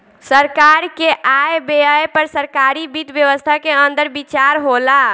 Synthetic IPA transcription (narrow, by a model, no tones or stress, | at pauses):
səɾkaɾkeʔajbeəjpəɾsəɾkaɾibit̪bjəʋəst̪ʰakeənd̪əɾbit͡ʃaɾɦola